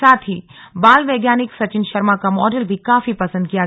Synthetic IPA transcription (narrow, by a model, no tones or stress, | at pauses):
aːt̪ʰibaːlʋeːɡjaːnɪksɐt͡ʃɪnʃɐɾmakamɔːɖəlbʱikaːfipɐsə̃nd̪̚kija